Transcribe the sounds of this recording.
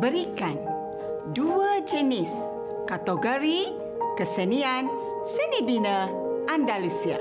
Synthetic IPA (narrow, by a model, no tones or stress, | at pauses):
bəɾikan | duəd͡ʒənis | kat̪oɡəɾi | kəsənian | sənibinə | ʔandalusia̰